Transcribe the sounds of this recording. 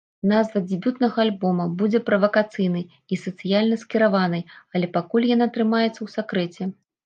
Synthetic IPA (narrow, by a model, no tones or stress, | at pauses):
nazvɐd͡zʲɪbʲut̪nɐɣɐːlʲbɔmɐbud͡zʲɛpɾɐvɐkat̪sɨjnɨj | isɐt̪sɨjalʲnɐskʲiɾavanɨjɐlʲɛpakulʲjan̪at̪ɾɨmajɛt̪sːɐwsakɾɛt͡sʲɛ